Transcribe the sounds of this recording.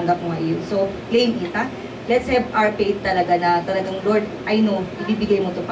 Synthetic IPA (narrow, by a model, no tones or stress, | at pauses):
ŋɡɐp̚oŋɐʔɪjosoplejmʔɪt̪a | lɛt̪shɛbaɹpejt̪ːɐlɐɡanɐt̪ɐlɐɡaŋloɹd̪̚ʔɐjnoʔɪbiːbɪɡajmot̪op